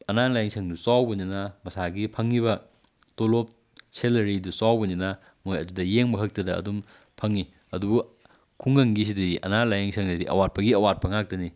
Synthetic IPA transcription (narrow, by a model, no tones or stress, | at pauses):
ɐnalajeŋsʰɐŋdusawbɐninɐmɐsaɡipʰɐŋːiβɐ | tolop̚ | selɐɾidusawbɐninɐ | mojɐdudɐjeŋbɐɦɐk̚tɐdɐ̰ːdum | pʰɐŋi | ɐdubu | kʰuŋɡɐŋɡis̬idɐdiʔɐ̰nalajeŋsʰɐŋdɐdiʔɐ̰wat̚pɐɡiɐwat̚pɐŋak̚tɐni